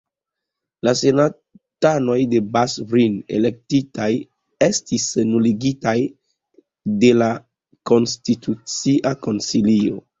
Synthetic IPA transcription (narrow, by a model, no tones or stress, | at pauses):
lase̞na | tano̞jde̞basbɾine̞̰le̞k̚titaj | e̞stisnuliɡitaj | de̞la | ko̞nstitʰut͡siʔako̞nsilio̞̰